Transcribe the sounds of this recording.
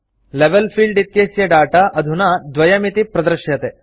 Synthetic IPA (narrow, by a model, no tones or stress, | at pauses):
leʋelpʰiːɭɖit̪jeːsjɐɖaːʈɐʔɐd̪ʱunɐd̪ʋɐjɐmit̪ipɾɐd̪ɾʃjɐt̪e